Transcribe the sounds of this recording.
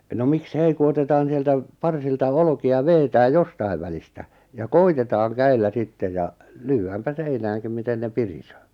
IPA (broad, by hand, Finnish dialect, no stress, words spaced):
no miks ei ku otetɑːn̞ sieltæ pɑrsiltɑ olŏkiɑ ʋeːtæːj̆ jostɑi̞ʋ ʋælistæ jɑ koitetɑːŋ kæilːæ sitːej̆ jɑ lyːæːmpæ seinæːŋkim miten ne pirisøː